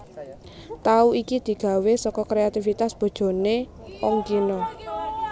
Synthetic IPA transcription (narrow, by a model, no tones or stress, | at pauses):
t̪auikid̪̥i̤ɡ̥ä̤wesɔkɔkɾeat̪ifit̪asb̥o̤d̥ʒ̥o̤ne | ɔŋkinɔ